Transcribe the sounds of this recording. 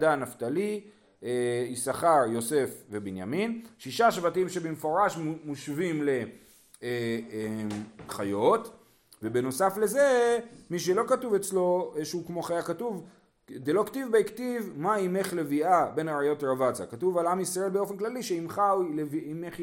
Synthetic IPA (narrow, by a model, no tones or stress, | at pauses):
danaftali | eisaχaʁjo̞se̞fve̞binja̰minʃiʃaʃvatimʃe̞bemefo̞ʁaʃmuʃvimle̞ | e | χajo̞t̪ | ve̞beno̞safle̞zemiʃ̬elo̞katuvet͡slo̞ʃeukmo̞χajakatuv | d̪elo̞ktivbeiktivmaime̞χle̞viabe̞naʁajo̞tʁavat͡sa̰katuvalamisʁae̞lbeo̞fe̞nklaliʃeimχawleviimeχ